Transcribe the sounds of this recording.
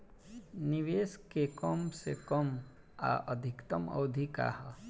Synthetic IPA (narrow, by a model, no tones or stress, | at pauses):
niʋeːskekɔmsekɔm | a̰ʔəd̪ʱɪkt̪ɐmɐ̰wd̪ʱika̰ːɦɐ